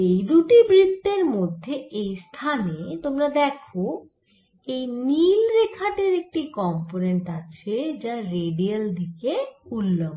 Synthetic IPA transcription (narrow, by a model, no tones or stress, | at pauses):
ejd̪uʈibɾit̪ːeɾmod̪ʱːeʔejst̪ʰanet̪omɾad̪ɛkʰo | ejnilɾekʰaʈeɾek̚ʈikɔmponeɳʈat͡ɕʰed͡ʑaɾeɖiald̪ʱikeulːom